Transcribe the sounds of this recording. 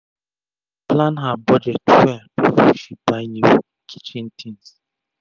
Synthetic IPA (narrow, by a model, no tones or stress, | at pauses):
planɦabɔd͡ʒɛtwɛbifɔʃibaɪnib | kʰi̥t͡ʃin̩tʰĩns